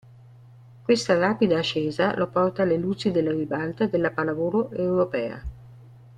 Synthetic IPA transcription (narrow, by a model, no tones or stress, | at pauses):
kwest̪aɾaːpid̪aːt͡ʃːɛːzalʔopɔrt̪aːlelut͡ʃid̪elːaribalt̪ad̪elːapalavoːɾoʔewɾopɛːa̰